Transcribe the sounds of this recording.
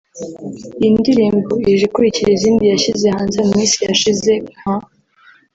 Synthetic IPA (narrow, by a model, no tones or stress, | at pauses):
indiɾiːmboiʒikuɾiciɾiziːndijaʃizehaːnzemummiːnsijaʃize̞m̥a